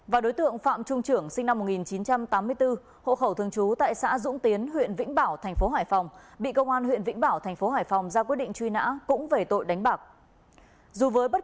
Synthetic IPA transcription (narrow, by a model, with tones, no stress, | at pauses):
vaː˨˩ɗo˨˦jt̪ɨ̰˧˨əŋfa̰ː˧˨mt͡ɕʊ˧ŋ͡mt͡ɕɨ˧˩əŋsï˧ŋ̟na˧mːo˨˩t̚ŋi˨˩nt͡ɕi˨˦nt͡ɕa˧mt̪aː˨˦mːɨ˧əjt̪ɨ˧ | ho̰˧˨xə˧˩wt̪ʰɨ˧əŋt͡ɕu˨˦t̪a̰ː˧˨jsa̰ː˧˥zʊ̰˧˥ŋ͡mt̪i˨˦ənɦwḭ˧˨ənvḭ̈˧˥ŋ̟ɓaː˧˩wt̪ʰɛ˨˩jŋ̟fo˨˦ɦaː˧˩jfa˨˩wŋ͡mɓḭ˧˨kə˧wŋ͡mʔaː˧nwḭ˧˨ənvḭ̈˧˥ŋɓaː˧˩wt̪ʰɛ˨˩ŋ̟fo˨˦ɦaː˧˩jfa˨˩wŋ͡mzaː˧kwt̚ɗḭ̈˧˨ŋ̟t͡ɕwi˧na̰ː˧˥kʊ̰˧˥ŋ͡mve˨˩t̪o̰˧˨jɗa˨˦ŋ̟ɓaː˨˩k̚ | zu˨˩vəː˨˦jɓə˦˥t̚